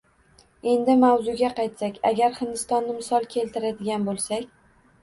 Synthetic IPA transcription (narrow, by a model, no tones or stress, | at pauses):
e̞nd̪ɪmawzʊɡʲaqɑjt̪sakʲa̰ɡʲaɾhɪnd̪ɪst̪ɒnːɪmɪsɒlˠkʲʰe̞lt̪ɪɾad̪ɪɡʲanbolˠsakʲ